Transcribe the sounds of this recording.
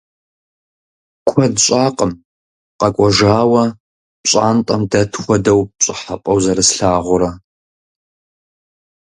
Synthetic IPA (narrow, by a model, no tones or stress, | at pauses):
kʷʰɔdɕʷʼaːqʼəm | qɐkʷʼɔʒaːwɐ | ɕʼaːntʼɐmdɐtʰxʷɔdɐwɕʼɪħapʼɐwzɐɾɨsɬaːʁʷʊɾɐ